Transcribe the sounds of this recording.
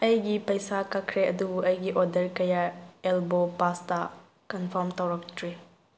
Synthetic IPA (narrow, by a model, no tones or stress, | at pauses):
ɐjɡipɐjsakakʰɾeʔɐdubuʔɐjɡiʔɔdɐɾkɐjaelbopastɐ | kɐnpʰɔɾmtawɾɐktʰɾi